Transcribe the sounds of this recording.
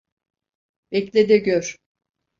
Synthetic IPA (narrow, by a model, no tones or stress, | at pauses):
bɛclʲed̪ɛɟøɾ